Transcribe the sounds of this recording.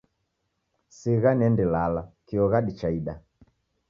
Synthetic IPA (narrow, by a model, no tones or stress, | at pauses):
siɣanɛndilalakiɔɣaɗit͡ʃaiɗa